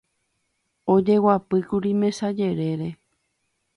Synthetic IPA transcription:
o̞d͡ʒe̞wapɨkuɾimẽ̞sad͡ʒe̞ɾe̞ɾe̞

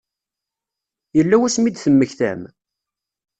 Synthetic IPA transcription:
jəlːæwæsmid̪θəmːəçθæ̰m

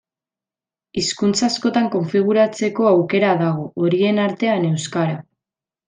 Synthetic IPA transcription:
iskunt͡sasko̞t̪aŋko̞ɱfiɣ̞uɾat͡se̞ko̞awke̞ɾaðaɣ̞o̞ʔoɾie̞naɾt̪e̞ane̞wskaɾa

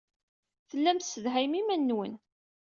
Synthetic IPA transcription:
θəlːæmθsəðɦæjmimænːwə̰n

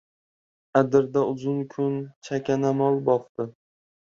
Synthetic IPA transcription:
ad̪ɪɾd̪aʊzʊnkʰʊnt͡ʃʰakʲʰanamɒlˠbɒqt̪ɪ

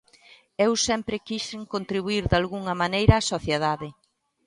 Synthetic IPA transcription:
ewsɛmpɾɪkiʃeŋkont̪ɾiβuiɾðalɣuŋɐmanejɾɐːsoθjeðaðɪ

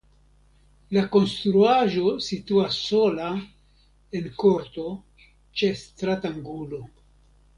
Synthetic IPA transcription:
lako̞nst̪ɾuaʒo̞sit̪uasːo̞la | enko̞ɾt̪o̞ | t͡ʃe̞st̪ɾataŋɡulo̞

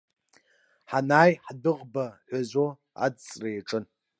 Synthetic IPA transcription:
ħanaːjħdɨʁbaħʷazʷo | a̰d͡zt͡sʼrajʈ͡ʂʼɨn

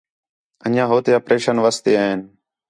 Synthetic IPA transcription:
əɲãːɦoːt̪eːəpɾeːʃənʋəst̪eːaːɦen

